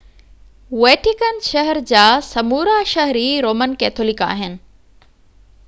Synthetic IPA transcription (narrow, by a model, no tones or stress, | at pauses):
weːʈikənʃɐɦəɾd͡ʑaːsɐmuːɾaʃɐɦɾiɾoːmənkɛːt̪ʰoːlɪka̰ːɦɪnɪ̆